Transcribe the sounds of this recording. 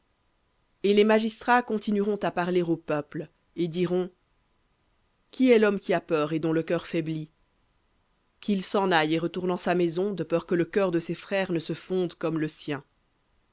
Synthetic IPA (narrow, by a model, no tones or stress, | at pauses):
elemaʒist̪χakɔ̃t̪inyʁɔ̃t̪apaʁleʁopœpl | ed̪iʁɔ̃ | kʲiɛlɔmkʲiapœːʁed̪ɔ̃ləkœʁfɛbli | kʰilsɑ̃najeʁət̪uʁnɑ̃samɛzɔ̃d̪əpœʁkələkʲœʁd̪əsefχɛːʁnəsəfɔ̃d̪kɔmləsjɛ̃